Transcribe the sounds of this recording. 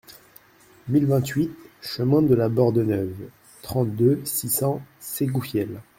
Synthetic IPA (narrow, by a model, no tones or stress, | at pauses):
milvɛ̃t̪ɥit̪ʃəmɛ̃d̪əlabɔʁd̪ənœv | t̪χɑ̃t̪d̪øsisɑ̃seɡufjɛl